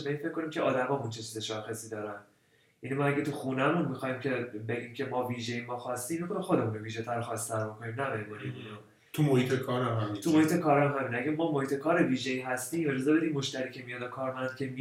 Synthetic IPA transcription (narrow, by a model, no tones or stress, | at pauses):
beiːnfekʰːo̞niːmcʲʰeʔɒːd̪æmɒːmunt͡ʃʰe̞t͡ʃʰiːzeʃɒːxesiːd̪ɒːɾæn | ʔinimɒæɟæt̪ʰuxunæmunmixɒːhimcʰe̞be̞ɟiːmcʲʰe̞mɒːviːʒe̞imɒːxɒst̪iːmmixonimxo̞d̪e̞munoviːʒet̪ʰæɾoxɒst̪ʰːæɾbokʰoniːmnæbɒɾimunimino | t̪ʰumohiːt̪ʰekʰɒːɾæmɦæmit̪umo̞hiːt̪ʰe̞kʰɒːɾæmɦæmiːnæɡæmɒːmohiːt̪ʰe̞kʰɒːɾe̞viːʒeiːɦæst̪iːme̞d͡ʒɒzɛbe̞d̪iːmːo̞ʃt̪æɾiːcʰe̞mijɒnokʰɒːɾmænd̪̥̚cʲʰe̞mi